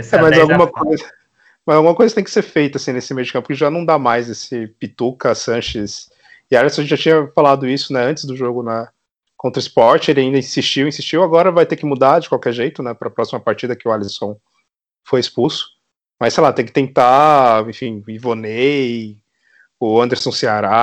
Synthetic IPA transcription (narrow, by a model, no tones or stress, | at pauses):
ɛmɐzawɡũmɐkojzɐ | mɐzawɡũmɐkojzɐkɪt̪ẽkɪseɾfejt̪ɐasĩnesɪmejʊkɐ̃pʊkɪʒanɐ̃w̃d̪amajzesɪpit̪ukɐsɐ̃ʃɪs | ɪalisõʒẽt͡ʃɪʒat͡ʃĩɲɐfalad̪ʊisʊnɛɐ̃nt͡ʃɪzd̪ʊʒoɡʊnɐ | kõnt̪ɾɐispɔɾt͡ʃɪelɪaĩnd̪ɐĩsist͡ʃiwĩsist͡ʃiwaɡɔɾɐvajt̪ekɪmud̪ad͡ʒɪkwawkɛɾʒejt̪ʊnɛpɾɐpɾɔsimɐpaɾt͡ʃid̪ɐkɪʊalisõw̃ | fojɪspusʊ̥ | mɐsejlat̪ẽj̃kɪt̪ẽnt̪aẽfĩivone | ʊɐ̃nd̪eɾsõw̃sɪaɾa